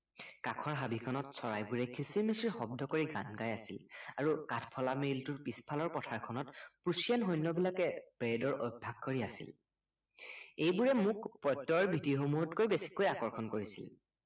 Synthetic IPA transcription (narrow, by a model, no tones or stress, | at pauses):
kakʰɔɹɦabikʰɔnɔtsɔɹajbuɹɛkʰisiɹmisiɹxɔb̚dʱɔkoɹiɡa̰nɡajasilaɹukatʰpʰɔlameltʊɹpispʰalɔɹpɔtʰaɹkʰɔnɔtpusijanɦojnːɔbilakɛb̥ɹedɔɹʔojbʱaɡ̚koɹiasḭl | ejbuɹɛmukpɹɔjtːɔɹbʱitiɹxomuɦɔtkojbesi̥kojakɔɹkʰɔnkoɹisḭl